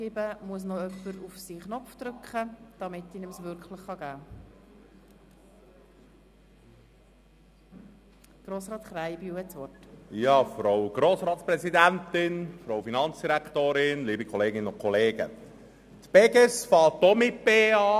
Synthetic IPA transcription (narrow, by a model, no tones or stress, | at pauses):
ɪbəmuəs̬noœpːəɾufsiːχnɔfd̪ɾʏkχəd̥ɑmɪt̪ːiːnəmsʋʏɾkχləχːɑɡæː | ɡ̥ɾoːsɾɑːt̪χɾajbiuwhɛtsʋɔrtjɑːfɾowɡ̥ɾoːsɾɑːt̪spɾɛzid̪ænt̪ɪnfɾoʊfinɑnt͡sd̥iɾækt̪oːɾɪnliːbikʰɔleːɡɪnəʊnkʰɔleːɡə̰ | t̪pɛɡəsfɑːt̪ːomɪpeːɑː